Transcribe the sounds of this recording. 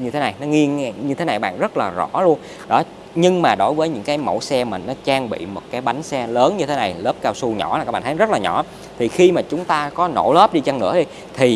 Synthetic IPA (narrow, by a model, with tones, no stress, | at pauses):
ɲɨ˧e˨˦na˨˩jnɔ˨˦ŋi˧ən˧ɲɨ˧t̪ʰe˨˦na˨˩jɓa̰ː˧˨nzə˦˥t̚laː˨˩zɔ̰˧˥lu˧ən | ɗɔ˨˦ | ɲɨ˧ŋmaː˨˩ɗo˨˦jvəː˨˦jɲɨ̰˧˥ŋkaː˨˦jmə̰˧˩wsɛ˧mï˨˩ŋ̟nɔ˨˦t͡ɕaː˧ŋɓḭ˧˨mo˨˩t̚kaː˨˦jɓa˨˦jŋ̟sɛ˧ləː˨˦nɲɨ˧t̪ʰe˨˦na˨˩jləː˦˥p̚kaː˧wsu˧ɲɔ̰˧˩la˨˩aː˦˥ɓa̰ː˧˨t̪ʰːzə˦˥t̚laː˨˩ɲɔ̰˧˩ | t̪ʰi˨˩xi˧maː˨˩t͡ɕʊ˨˦ŋ͡mt̪aː˧kɔ˨˦no̰˧˩ləː˦˥p̚ɗi˧t͡ɕa˧ŋnɨ̰˧˥əɗi˧j | t̪ʰi˨˩